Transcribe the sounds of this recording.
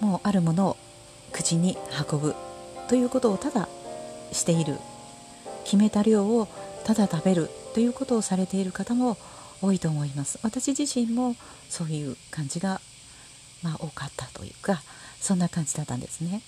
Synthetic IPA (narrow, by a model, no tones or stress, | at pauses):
mo̞ːʔaɾɯ̟mo̞no̞ | kɯ̟̥t͡ɕiɲ̟ihako̞bɯ̟t̪o̞jɯ̟ːko̞t̪o̞ːt̪ad̪aɕi̥t̪e̞iɾɯ̟̰ | kʲime̞t̪aɾʲo̞ːot̪ad̪at̪abe̞ɾɯ̟t̪ːo̞jɯ̟ːko̞t̪o̞ːsaɾe̞t̪e̞iɾɯ̟kat̪amo̞ | oːit̪o̞ːmo̞imasɨ̥βat̪aɕiʑiɕĩmːo̞ | so̞ːjɯ̟ːkãɲ̟d͡ʑiɡa | maʔo̞ːkat̪ːat̪o̞̰jɯ̟̰ːkasõ̞nːakãɲ̟d͡ʑid̪at̪ːã̰nd̪e̞sɨne̞